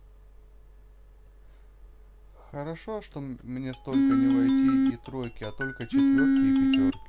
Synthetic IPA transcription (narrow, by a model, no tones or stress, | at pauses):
xəɾɐʂo̞ʂt̪o̞mnʲe̞st̪o̞lʲkənʲɪvɐjtʲiiːt̪ɾo̞jkʲɪɐt̪o̞lʲkət͡ɕɪt̪vʲokʲɪpʲɪt̪ʲorkʲɪ